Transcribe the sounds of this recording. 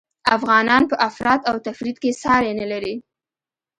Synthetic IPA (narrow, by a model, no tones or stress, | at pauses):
afɣɑnɑnpəʔafɾɑt̪awt̪afɾid̪kesɑɾenəlaɾi